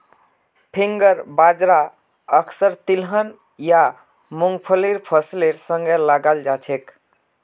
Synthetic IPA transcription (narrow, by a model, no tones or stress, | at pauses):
pʰiŋɡəɾbad͡ʒɾa | əkʰsəɾt̪ilɦən | ja | muŋɡpʰəliɾpʰəsleɾsə̃ŋɡeləɡald͡ʒat͡ʃʰek